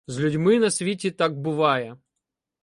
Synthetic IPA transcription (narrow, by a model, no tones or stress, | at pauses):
zʲlʲʊdʲmɪnɐsʲʋʲitʲit̪ɑɡ̚bʊʋɑjɛ